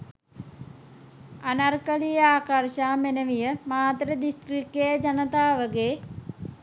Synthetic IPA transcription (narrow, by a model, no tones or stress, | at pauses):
anarkəlijaːkarʃaːmenəʋijəmaːt̪ɾəd̪isʈɾikːejəd͡ʒanət̪aːʋəɡeː